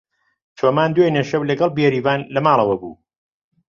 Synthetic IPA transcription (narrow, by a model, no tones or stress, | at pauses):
t͡ʃʰomaːnd̪wejneʃɐwlɐɡɐlˠbjeɾiːvaːnlɐmaːlˠɐwɐbṵː